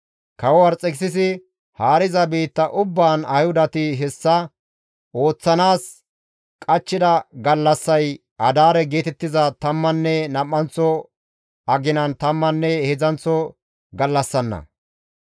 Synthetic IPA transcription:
kɐwɔwɐɾt͡sʼɛksɪs̬ɪ | haːɾɪzɐbiːt̪ːɐʔʊbːaːnɐjhʊd̪ɐt̪ɪɦɛsːɐ | ʔo̞ːt͡sːɐnaːs | kʼɐt͡ʃːɪd̪ɐɡɐlːɐsːɐj | ʔɐd̪aːɾɛɡe̞ːt̪ɛt̪ːɪzɐt̪ɐmːɐnːɛnɐmːɐnt͡sːɔ | ɐɡɪnɐnt̪ɐmːɐnːɛhɛzɐnt͡sːɔ | ɡɐlːɐsːɐnːɐ̰

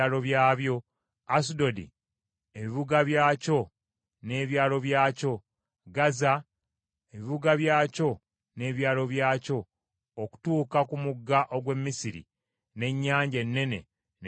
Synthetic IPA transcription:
lo̞βjaːβjo̞ | asudo̞dḭ | eβiβuɡaβjaːco̞ | ne̞ːβjaːlo̞βjaːco̞ | ɡaza | eβiβuɡaβjaːco̞ | ne̞ːβjaːlo̞βjaːco̞ː | ku̥tuːkakumuɡːaʔo̞ɡwe̞mːisiɾḭ | ne̞ɲːaːɲɟe̞nːe̞ne̞̰ | n

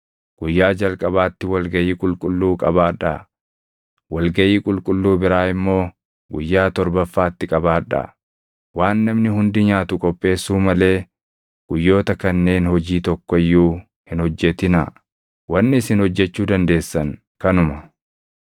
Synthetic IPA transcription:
ɡ̥ʊjːaːd͡ʒɐlkʼɐβaːt̪ːɪwɐlɡɐjiːkʼʊlkʼʊlːuːkʼɐbaːᶑɐ | wɐlɡɐʔiːkʼʊlkʼʊlːuːbɪɾaːɪmːo̞ː | ɡʊjːaːt̪ɔɾbɐfːaːt̪ːɪkʼɐbaːᶑɐ̰ | waːnːɐmnɪɦʊnd̪ɪɲaːt̪ʊkʼɔpʼːe̞ːsːuːmɐle̞ː | ɡ̥ʊjːo̞ːt̪ɐkɐnːe̞ːnhɔd͡ʒiːt̪ɔkːɔɪjːuː | hɪnɔd͡ʒːɛt̪ɪnɐ̰ | wɐnːɪɪsɪnhɔd͡ʒːɛt͡ʃːuːd̪ɐnd̪e̞ːsːɐŋ | kɐnʊmɐ

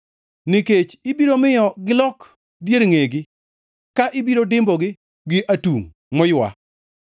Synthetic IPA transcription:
nɪket͡ʃɪbiɾomɪjɔɡɪlɔk | djeɾŋeɡɪ | kaʔɪbiɾodɪmbɔɡɪ | ɡɪʔatuŋ | mɔjwa̰

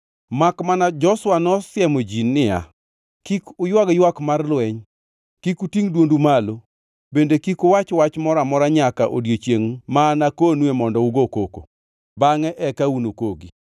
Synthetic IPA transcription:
makmanad͡ʒɔswanɔsjɛmod͡ʒinːɪja̰ | kikʊjwaɡjwakmarlwɛɲ | kikutiŋdwondumalo | bendekikʊwat͡ʃwat͡ʃmɔɾamɔɾaɲakaʔo̰djot͡ʃjeŋmanakonwemɔndɔuɡokoko̰ | baŋɛʔɛkaunokoɡi

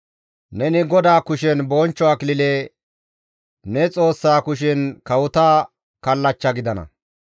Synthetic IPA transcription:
nɛnɪɡɔd̪aːkʊʃɛnboːnt͡ʃːɔɐkɪlɪleː | nɛt͡sʼo̞ːsːaːkʊʃ̬ɛnkɐwʊt̪aː | kɐlːɐt͡ʃːɐɡɪd̪ɐnɐ̰

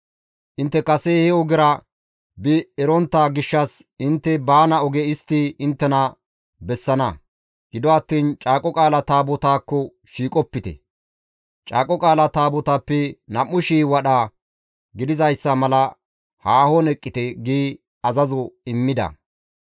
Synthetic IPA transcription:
ʔɪnt̪ːɛkɐsɛhɛɔɡɪɾɐ | bɪɛɾɔnt̪ːaːɡɪʃːɐs | ɪnt̪ːɛbaːnɐɔɡɛɪst̪ːiɪnt̪ːɛnɐ | bɛsːɐnɐ | ɡ̥ɪd̪ɔɐt̪ːiːnt͡ʃʼaːkʼːɔkʼaːlɐt̪aːbɔt̪aːkːɔ | ʃiːkʼɔpːɪt̪ɛ̰ | t͡ʃʼaːkʼɔkʼaːlɐt̪aːbɔt̪apːɛnɐmːʊʃiːwɐɗa | ɡɪd̪ɪzɐjsːɐmɐlɐ | haːhɔnɛkʼːɪt̪ɛɡiː | ɐzɐzɔɪmːɪd̪ɐ̰

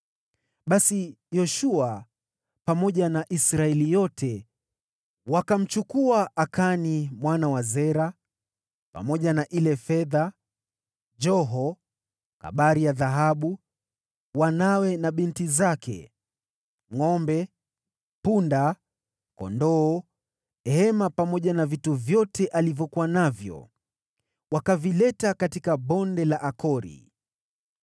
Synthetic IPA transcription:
ɓasi | jɔʃua | pamɔʄanaʔisɾaɛlijɔtʰɛ | wakam̩t͡ʃukuaʔakanimwanawazɛɾa | pa̰mɔʄanaʔilɛfɛða | d͡ʒɔɦɔ | ka̰ɓaɾijaðaɦaɓu | wanawɛnaɓintizakʰɛ̰ | ŋɔmbɛ | punda | kɔ̰ndɔː | hɛmapamɔʄanavituvjɔtɛʔalivjɔkuwanavjɔ̰ | wakavilɛtakatikaɓɔndɛlaʔakɔɾḭ

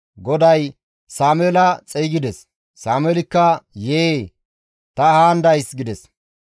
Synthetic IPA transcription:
ɡɔd̪ɐj | saːmelɐt͡sʼɛjɡɪd̪ɛsː | aːmɛːlɪkːɐjeː | t̪ɐhaːnd̪ɐjsɡɪd̪ɛs

